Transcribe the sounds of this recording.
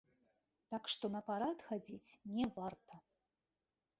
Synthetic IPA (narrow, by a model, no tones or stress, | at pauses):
t̪akʂt̪ɔnɐpaɾat̪xad͡zʲit͡sʲnʲɛvart̪ɐ